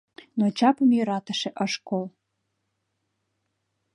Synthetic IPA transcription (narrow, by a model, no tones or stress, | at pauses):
not͡ɕɑpəmjøɾɑt̪ə̆ʃeʔəʃkol